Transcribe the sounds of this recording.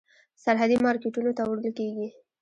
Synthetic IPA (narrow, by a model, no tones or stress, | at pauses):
saɾɦad̪imɑɾkeʈunot̪awɾd̪əlkeɡi